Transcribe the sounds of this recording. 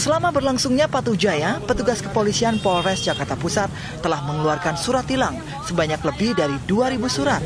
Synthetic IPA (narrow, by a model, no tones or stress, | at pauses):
səlamabərlaŋsuŋɲapat̪ud͡ʒajapət̪uɡaskə̥polisianpoɾɛsd͡ʒakart̪apusat̪̚ːəlahməŋluarkansuɾat̪ilaŋ | səbaɲakləbɪhdaɾiduaɾibusuɾat̪̚